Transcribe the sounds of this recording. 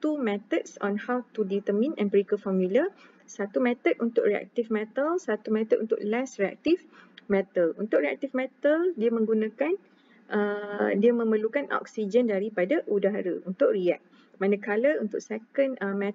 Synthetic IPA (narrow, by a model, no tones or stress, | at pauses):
t̪umɛ̃t̪ət̚sɔ̰̃nhawt̪udit̪əmĩnɛ̰̃npɾikəfɔmjulə | sat̪umɛ̃t̪ət̚unt̪ʊʔriɛ̰k̚t̪ifmɛt̪əlsat̪umɛ̃t̪ət̚ʔunt̪ʊ̰ʔlɛsɾia̰k̚t̪ifmɛt̪əlunt̪ʊk̚ɾia̰k̚t̪ifmɛt̪əldiəmə̃ŋɡunãkan | ʔədiamə̃məlukanʔɔ̰k̚sid͡ʒəndaɾipadaʔudaɦɾəunt̪ʊʔ̚riɛ̰k̚ | manəkaləunt̪ʊk̚sɛkənəmɛ